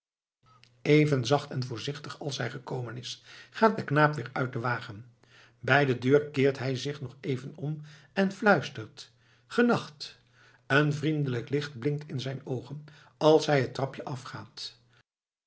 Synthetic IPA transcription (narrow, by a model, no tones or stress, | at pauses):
ejvənzɑχtɛnvʊːɹzɪχtəχɑlˠsɦɛjχəkowmənɪsχaːt̚dəknaːpʋɪːɹœɥt̚dəʋaːχən | bɛjdədøːɹkɪːɹtɦɛjzɪχnɔχejvənɔm | ɛnflœɥstəɹt | χənɑχt | ənvrindələklɪχt̚blɪŋtʰɪnzɛjnowχən | ɑlˠsɦɛjətrɑpjəʔɑfχaːt